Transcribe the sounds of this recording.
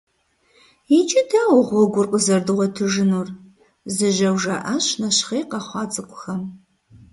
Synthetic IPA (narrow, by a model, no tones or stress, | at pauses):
jit͡ʃʼɪtʰaːwʊʁʷɔɡʷʊrqʼəzɐrdɨʁʷɔtʰɨʒɨnuːr | zɨʒɐwʒaʔɐɕnɐɕχeːqɐχʷɑːt͡sʼɨkʷʰʼʊ̥xɐm